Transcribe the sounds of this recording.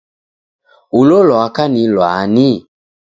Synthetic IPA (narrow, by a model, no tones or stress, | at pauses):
ulolɔakanilwani